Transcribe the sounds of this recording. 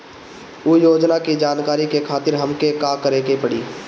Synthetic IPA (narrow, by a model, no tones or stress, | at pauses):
ujoːd͡ʒnakid͡ʒaːnkaːɾikekʰaːt̪ɪɾɦəmkekaːkəɾeːkepəɽiː